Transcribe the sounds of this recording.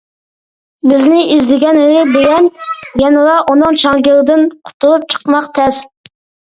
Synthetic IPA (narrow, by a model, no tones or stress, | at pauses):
bɪznɪizd̪ɪɡʲɛnɾɪbɪlɛnjɛnɨlˠɑʔunɨŋt͡ʃʰɑŋɡʲɪlˠɨd̪ɪnqʰʊ̥t̪ʰulˠup̚t͡ʃʰə̥qmɑqt̪ʰɛs